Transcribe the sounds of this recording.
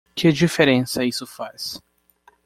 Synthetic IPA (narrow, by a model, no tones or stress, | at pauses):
kɪd͡ʒifeɾẽsɐisʊfas